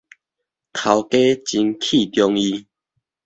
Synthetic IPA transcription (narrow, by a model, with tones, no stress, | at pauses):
t̪ʰa˨˦wke˦t͡ɕi˧nkʰi˥˧˨t̪jɔ˧ŋi˧